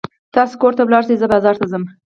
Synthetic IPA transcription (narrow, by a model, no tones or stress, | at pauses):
t̪ɑsokoɾt̪awlɑɾsezəbɑzɑɾt̪azəm